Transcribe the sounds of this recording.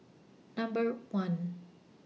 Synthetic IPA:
nʌ̃mbəɹwʌ̃n

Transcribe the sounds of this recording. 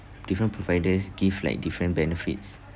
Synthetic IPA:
d̥ifɹə̃npʰɹɔvaɪdəsɡivla̰jk̚difɹə̃nbɛnɛfḭts

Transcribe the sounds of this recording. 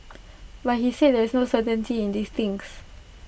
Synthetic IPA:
bathised̚dɛsnosətə̃ntiĩndist̪ĩŋs

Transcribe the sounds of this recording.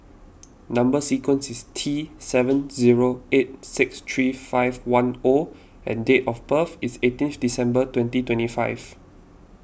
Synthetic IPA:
nãmbəsikwə̃nsistʰisɛvə̃nziɹoet̚sɪkst̪ʰɹifaɪvwãno | ɛ̰̃ndetɔfpəfisetĩnθdisɛ̃mbətwɛ̃ntitwɛ̃ntifaɪv

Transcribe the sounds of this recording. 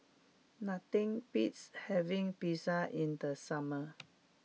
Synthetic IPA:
nat̪ĩŋpitshɛvĩŋpisaʔĩndəsamə

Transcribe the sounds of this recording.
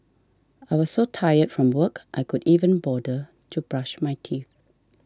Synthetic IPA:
aɪwɔz̥sotʰajətfɹɔ̃mwɜkʔaɪkʰʊdiːvə̃nbɔdə | tʰubɹaʃmaɪtʰiθ

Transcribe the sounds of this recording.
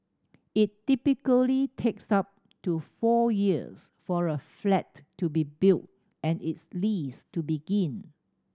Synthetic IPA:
ɪtːipikəlitʰeksap̚ | tufɔjiə̰s | fɔɹəflɛtːubibilt̚ | ɛ̃nɪtslistubiɡĩn

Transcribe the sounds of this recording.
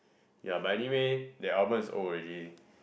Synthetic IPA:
jabaɛniwedɛabə̃msɔ̰ɹɛdi

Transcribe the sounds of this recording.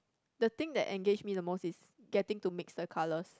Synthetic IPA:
dət̪ɪ̃ŋdɛ̰ʔɛ̃ŋɡed͡ʒmidəmosis | ɡɛtɪ̃ŋtumɪksdəkʰaləs

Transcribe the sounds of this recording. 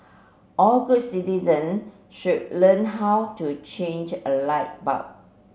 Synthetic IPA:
ʔɔlɡut̚sitizə̃n | ʃud̚lə̃nɦawtut͡ʃẽnd͡ʒəlaɪt̚ba̰p̚

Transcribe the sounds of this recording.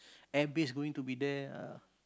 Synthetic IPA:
ɛbɪs̬ɡowĩŋt̪ubidɛa̰

